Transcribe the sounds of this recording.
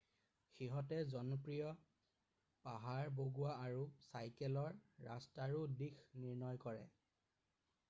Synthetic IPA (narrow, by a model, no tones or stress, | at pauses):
xiɦɔtɛzɔnɔpɹijɔ | paɦaɹboɡuaːɹusajkɛlɔɹːastaɹudixniɹnɔjkɔɹɛ̰